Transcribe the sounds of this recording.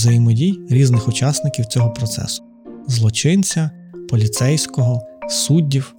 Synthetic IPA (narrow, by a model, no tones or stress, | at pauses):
zɐjimɔdʲijɾʲiznɪxʊt͡ʃɑsnɪkʲiwtt͡sʲɔɦɔpɾɔt̪sɛ̰sʊ̥ | zlˠɔt͡ʃɪnt͡sʲɐ | pɔlʲit̪sɛjsʲkɔɦɔsudʲːiw